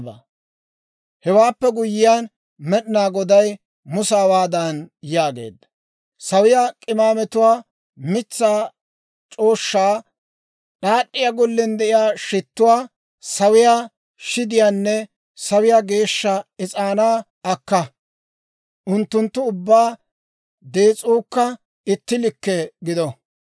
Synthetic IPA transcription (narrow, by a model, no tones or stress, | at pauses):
bɐ | hɛwaːpːɛɡʊjːɪjaːn | mɛɗɪnaːɡɔd̪ɐj | mʊsaːwaːd̪ɐnjaːɡe̞̰ːd̪ːɐ̥ | sɐwɪjakʼɪmaːmɛt̪ʊwaː | mɪt͡sːaː | t͡ʃʼo̞ːʃːaː | ɗaːɗːɪjaɡɔlːɪnd̪ɛʔɪjaːʃɪt̪ːʊwaː | sɐwɪja | ʃɪd̪ɪjaːnːɛ | sɐwɪjaɡe̞ːʃːɐɪt͡sʼaːnaː | ɐkːɐ | ʔʊnt̪ːʊnt̪ːʊʊbːaː | d̪e̞ːt͡sʼuːkːɐ | ɪt̪ːɪlɪkːɛɡɪd̪ɔ